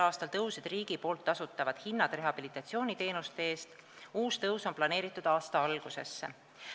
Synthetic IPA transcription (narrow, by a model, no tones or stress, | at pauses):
ɑːst̪ɑlt̪ɤused̪̥riːɡ̥ipo̞ːlt̪ːˑɑsut̪ːˑɑvɑd̪̥hinːɑd̪̥re̞ɦɑb̥ilit̪ːˑɑt̪sio̞ːnit̪e̞ːnust̪eeːst̪ | uːst̪ɤwso̞nplɑne̞ːɾit̪ˑːud̪̥ɑːst̪ɑɑlɡ̥use̞̰sːe